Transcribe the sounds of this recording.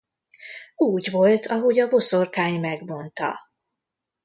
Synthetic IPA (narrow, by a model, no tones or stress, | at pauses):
uːɟʋo̞lt̪ʰɒɦo̞ɟɒbo̞sorkaːjmɛɡmo̞nt̪ɒ̰